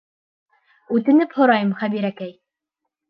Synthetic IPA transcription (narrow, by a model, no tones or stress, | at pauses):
ʉt̪ɘ̆nɘphŏɾɑjɤmχæβiɾækæj